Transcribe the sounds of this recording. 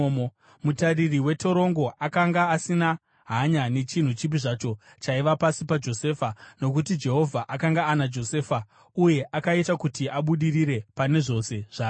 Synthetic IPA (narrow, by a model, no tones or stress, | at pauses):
mutaririwe̞to̞ɾo̞ŋɡo̞ʔakaŋɡaːsina | ɦaɲane̞t͡ʃin̤ut͡ʃip̬iʐat͡ʃo̞ | t͡ʃaiʋapasipad͡ʒo̞se̞ːfano̞k̬utid͡ʒe̞ɦo̞vʱaʔakaŋɡaːnad͡ʒo̞se̞ːfa | uje̞ʔakaitakutiʔaɓuɗiriɾe̞pane̞ʐo̞se̞ʐ̥aː